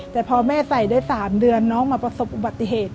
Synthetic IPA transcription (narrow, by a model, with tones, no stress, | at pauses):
t̪ɛː˨˩pʰɔː˧mɛː˥˩sa˨˩jdaː˥˩jsaː˩˦mdɯ˧ənːɔː˦˥ŋmaː˧pɾa˧so˨˩p̚ʔu˧ba˨˩t̪ːi˧˩heː˨˩t̪̚